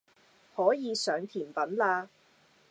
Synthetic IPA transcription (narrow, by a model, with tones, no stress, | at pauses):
hɔː˨˥jiː˨˧sœː˨˧ŋt̪ʰiː˨˩npɐ˨˥nlaː˧